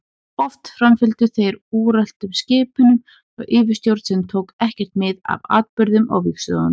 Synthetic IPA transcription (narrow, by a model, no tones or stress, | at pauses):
ɔft̪fɾamfɪlt̪ʏθejɾuːɾɛl̥t̪ʏmscɪːpʏnʏm | a̰ɣʔɪːvʏst̪jowɾt̪sɛnt̪ʰowkɛhcɛr̥t̪mɪða̰va̰ːt̪̚pʏɾðʏma̰wviksoa̰n